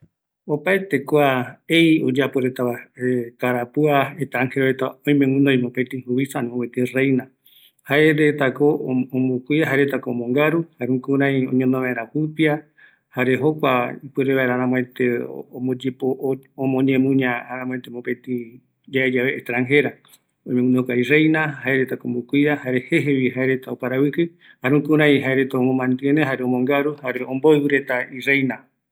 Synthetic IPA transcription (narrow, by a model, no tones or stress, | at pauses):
opaet̪e̞kʷaejod͡ʒapoɾet̪aaek̪aɾapuaet̪ɾaŋheɾoet̪aõĩmẽwʷĩnd̪oj̃mõpet̪ĩhuβisanõwet̪erejna | haeɾet̪akoõmokʷiaɦaɾet̪akoomõŋɡaɾuhaɾũkuɾãĩõ̰ɲõnõβaeɾãpɨpia | haɾeɦokʷaipɨɾeβaeɾaɾãm̃ẽt̪eomod͡ʒepoomõɲẽmũɲãaɾãmw̃ẽt̪emopet̪i | d͡ʒaed͡ʒaβeːht̪ɾãŋɦeɾa | oɲẽnokairejnahaeɾet̪akoombukʷiɾahaɾeheɦeβiɦaeɾe̞t̪aopaɾawɨkɨ | haɾũkuɾãj̃ɦaeɾe̞t̪aomõmãnd̪ɨeneɦaɾeomõŋɡaɾuhaɾeõmboiwɨɾe̞t̪airejna